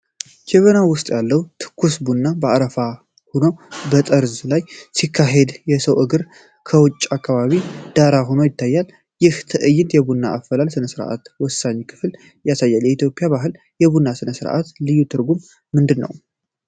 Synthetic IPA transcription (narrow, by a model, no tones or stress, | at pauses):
kʰeβənawʊst̪ʼjalːəwt̪ʰɨ̥kʰːusbunːabəaɾəfa | hono̞bət̪ʼəɾzlajsikʰːaɦe̞d̪jɛsəwʔɨɡɨɾ | kʰəwʊt͡ʃʼːakʰːaβaβid̪̥aɾaɦo̞no̞jɪt̪ːajːal | jɪht̪ʰɨʔɨjːɪnt̪jɛbunːaʔːfəlalsɨnəsɨɾʔa̰t̪wɔsːaɲkʰɨ̥fl | jasajːaljɛit̪jo̞pʼijaβaɦɨl | jɛβunːasɨnəsɨɾ̰ʔa̰t̪lɨjːut̪ʰɨɾɡumː | ɨnd̪ɨnːə̰w